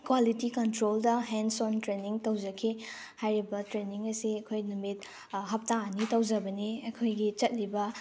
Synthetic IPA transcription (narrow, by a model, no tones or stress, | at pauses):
kwalitikɐntɾoldɐɦensontɾeniŋtɐwd͡ʒɐkʰi | hajɾibɐtɾeniŋɐsiɐkʰojnumit̚ | ɦɐp̚tanitɐwd͡ʒɐbɐniɐkʰojɡit͡ʃɐt̚ɾibɐ